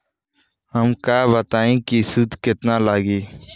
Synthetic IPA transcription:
ɦəmkaːbət̪aːẽkisʊd̪ʱkɪt̪nalaːɡiː

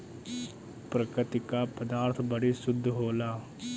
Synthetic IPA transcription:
pɾɐkɪt̪ɪkapɐd̪aːɾt̪ʰbɐɽisʊd̪ʱːɦoːlaː

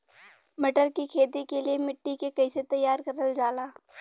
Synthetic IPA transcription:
mɐʈəɾkikʰeːt̪ikeliemɪʈːikekɐɪset̪ɐjːaːɾkɐɾəld͡ʒaːlaː

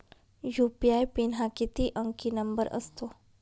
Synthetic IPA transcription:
jupijaːjpinɦakit̪iʔə̃ŋkinɐmbəɾə̰st̪ʰo

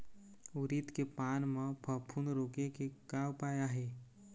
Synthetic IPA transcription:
uɾit̪kepanməpʰəpʰunɾokekeɡawpajaɦe

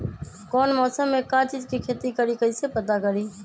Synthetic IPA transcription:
kɔːnmɔːsəmːekãt͡ʃid͡ʒkikʰet̪ikəɾikəɪsepət̪akəɾi

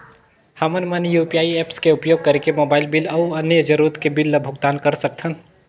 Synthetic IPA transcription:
hɐmənmənjupijaːieːpskeʊpjoːɡ̚kɐɾekemoːbaːɪlbɪlɐʊɐnjəd͡ʒɐɾuɾət̪kebɪlːɐbʱʊɡt̪aːnkɐɾsɐkt̪ʰən

